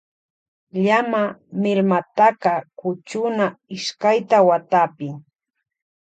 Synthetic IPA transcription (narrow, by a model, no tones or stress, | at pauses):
ʎamamɪɾmat̪akɑkʊt͡ʃʊnaɪʃkajt̪awat̪apɪ